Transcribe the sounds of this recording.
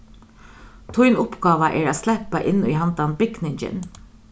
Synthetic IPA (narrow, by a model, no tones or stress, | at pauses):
t̪ʰʊjnʊpɡɑːʋaʔɛːɹaːslɛpaʔɪnːʊjɦant̪anbɪɡnɪɲt͡ʃɪ̰n